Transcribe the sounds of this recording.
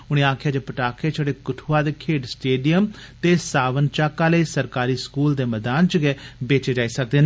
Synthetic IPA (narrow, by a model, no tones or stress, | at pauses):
ʊɽ̃ẽːaːkʰɪjaːd͡ʒeːpəʈaːkʰeːt͡ʃʰəɽeːkʊʈʰuaːd̪eːkʰeːɖsʈeːɖijəm | t̪eːsaːʋənt͡ʃaːkːãːləiːsəɾkaːɾiːskuːld̪eːməd̪aːnt͡ʃəɡɛːbeːt͡ʃeːd͡ʒaːiːsək̚d̪eːnː